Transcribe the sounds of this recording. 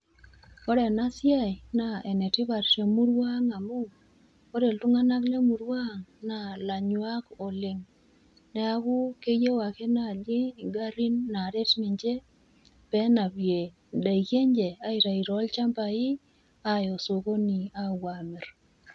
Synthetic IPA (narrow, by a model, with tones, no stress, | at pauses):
ɔ˦ɾe˨na˦sja˦jna˨ɛ˨nɛ˨tɪ˦βa˨ɾʃe˨mu˦ɾwa˦ŋa˨mʊ˦ | o˦ɾe˨ltu˦ŋa˦na˦kle˦mu˨ɾwa˦ŋna˨la˨ɲwa˦ko˨lɪ˨ŋ | nɛ˦a˦kʊ˦ke˦je˦wa˨ke˦na˦˨d͡ʒɪ˦˨ɡa˦ɾi˦nːa˨ɾe˦tnɪ˨ɲd͡ʒe˦ | pɛ˦na˨bje˨ | da˨i˨kje˦ɲd͡ʒe˨a˦i˨ɾa˨i˨ɾɔ˨˦lt͡ʃa˦mba˨ɪ˦ | a˦jo˨so˨ko˦ni˨a˦wa˨mɪ˨ɾ